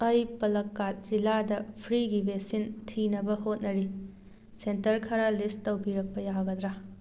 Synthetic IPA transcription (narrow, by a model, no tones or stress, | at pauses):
ɐjpɐlɐkːat̚z̥iladɐpʰɾiɡibʱesintʰinɐbɐhot̚nɐɾi | sentɐɾkʰɐɾalisɐwpiɾɐk̚pɐjaɡɐd̪ɾa